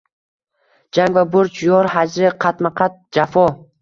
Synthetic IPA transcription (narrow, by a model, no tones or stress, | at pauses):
d͡ʒaŋvabʊɾt͡ʃʰjɒɾɦad͡ʒɾɪqʰɑt̪maqʰɑt̪̚d͡ʒafɔ